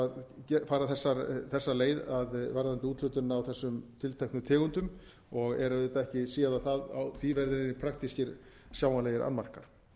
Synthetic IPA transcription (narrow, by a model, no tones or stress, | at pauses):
aðcɛfaːɾaθɛsːaɾθɛsːaleːjðaðvaɾðant̪ɪut̪lʏt̪ʏnawθɛsːʏmt̪ʰɪlt̪ʰɛjhknʏt̪ʰɛːɣʏnt̪ʏm | ɔɣɛɾaðɪt̪aɛhcɪsiːaðaθaða̰wθivɛɾðɪɾɪnːɪpʰɾak̚t̪iscɪɾ | sjaːwmanlejɪɾʔa̰nmar̥kaɾ̥